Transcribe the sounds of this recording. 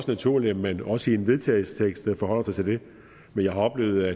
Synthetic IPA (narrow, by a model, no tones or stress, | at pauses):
snæt͡sʰuɐ̰lemmenɒ̽səie̝nʋe̝ðˠt͡sʰɛːɪlsə̥t͡sʰeɡ̥sd̥fɒ̽ɦɒ̽l̰ɐsɑɪt͡sʰe̝ld̥e̝ | menjɑ̈ɪhɑ̈ɒ̽b̥le̝̰ːʊð̩ˠæ